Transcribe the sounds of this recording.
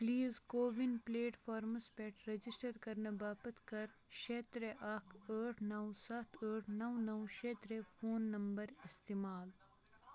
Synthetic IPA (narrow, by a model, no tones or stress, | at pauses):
pliːzkoːʋinpleːʈfʰaːɾmɐspeʈɾɐd͡ʒɪsʈəɾkɐɾnɐbaːpɐt̪ʰkɐɾʃeːt̪ɾeʔaːkʰəːʈʰnɐwsat̪ʰəːʈʰnɐwnɐwʃeːt̪ɾefoːnːɐmbɐɾɪst̪emaːl